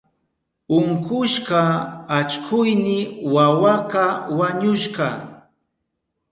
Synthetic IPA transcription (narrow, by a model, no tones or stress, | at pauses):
ʊŋkʊʃɢɑat͡ʃkʰʊjnɪwawakawaɲʊʃɢɑ